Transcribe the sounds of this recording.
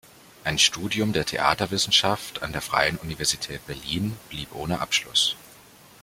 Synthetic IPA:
ʔaɪnʃtuːdjʊmdeːɐtʰḛʔa̰ːtɐvɪsn̩ʃafta̰ndeːɐfʁ̥a̰ɪənʔunivɛɐzitʰɛːt̚b̥ɛɐliːnb̥liːpʔoːnəʔa̰pʃlʊ̰s

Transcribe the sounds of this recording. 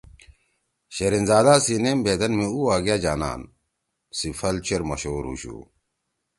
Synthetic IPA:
ɕeɾinzaːd̪aːsinembʱeːd̪ɐnmiuaːɡijaːd͡ʑaːna̰ːn | sifʰɐlt͡ɕʰeɾmɐɕoːɾṵɕṵː

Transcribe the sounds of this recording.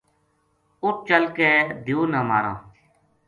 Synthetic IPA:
ʊʈ̚t͡ʃəlkeːd̪ʱiuːnəːma̰ːɾã̰ː

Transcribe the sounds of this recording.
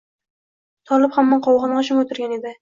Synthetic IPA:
t̪ʰɒlˠɪphamːanqʰɒwʁɑnʁɑʃʰʊŋot̪ʰɪɾɡʲane̞d̪ɪ

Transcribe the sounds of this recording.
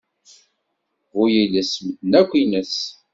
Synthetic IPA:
ɣʊjiləsmd̪nækʷːinəs

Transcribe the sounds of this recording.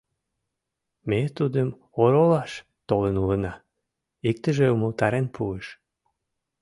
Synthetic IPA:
met̪ud̪əm | oɾolɑʃ | t̪olənulənɑ | ik̚t̪əʒeuməlt̪ɑɾenpʰueʃ

